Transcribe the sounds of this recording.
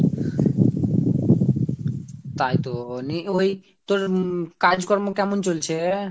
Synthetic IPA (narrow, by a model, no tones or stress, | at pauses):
t̪ajt̪onioj | t̪oɾkad͡ʑkɔɾmokɛmont͡ɕolt͡ɕʰe